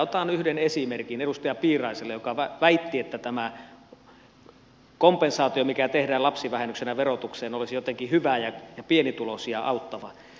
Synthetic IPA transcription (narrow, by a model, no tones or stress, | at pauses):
ot̪ɑːnyhdenesimerkinedust̪ɑjɑpiːrˑɑˑiselːejokɑʋæʋæit̪ːiet̪ːæt̪æmæ | kompensɑːt̪iomikæt̪ehdæːlɑpsiʋæhenːyksenæʋerot̪ukseːnolisijot̪eŋkihyʋæjɑjɑpienit̪ulosiɑɑˑut̪ːɑʋɑ̰